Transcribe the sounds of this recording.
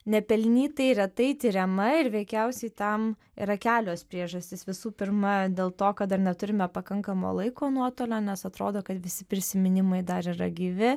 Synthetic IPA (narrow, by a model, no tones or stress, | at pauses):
nʲɛpʲɛlʲnʲiːt̪ɐɪɾʲɛt̪ɐɪt̪ʲiɾʲɛmɐɪɾʋʲɛɪkʲɛʊsʲɛɪt̪ɐm | ḭːɾɐkʲæːlʲoːspʲɾʲiɛʒɐsʲt̪ʲɪsʋʲɪsuːpʲɪɾmɐd̪ʲeːlˠt̪oːkɐt̪̚d̪ɐrnʲɛt̪ʊɾʲɪmʲɛpɐkɐŋkɐmo̰ːlˠɐɪkoːnuɔt̪oːlʲoːnʲɛsɐt̪ɾoːd̪oːkɐt̪ʋʲɪsʲɪpʲɾʲɪsʲɪmʲɪnʲɪmɐɪd̪ɐɾiɾɐɡʲiʋʲɪ